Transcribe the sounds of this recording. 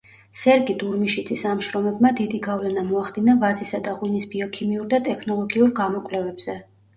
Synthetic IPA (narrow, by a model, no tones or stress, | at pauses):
sɛɾɡid̪uɾmiʃid̪sʼisamʃɾɔmɛbmad̪id̪iɡavlɛnamɔaχd̪inavazisad̪aʁwinisbiɔkʰimiuɾd̪at̪ʼɛkʰnɔlˠɔɡiuɾɡamɔkʼwlɛvɛbz̥ɛ